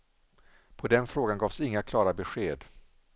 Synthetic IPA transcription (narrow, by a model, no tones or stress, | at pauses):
pʰɔd̪ɛnfɾoːɡanɡɑːv̥sɪŋːakʰlɑːɾabɛɧeːd̪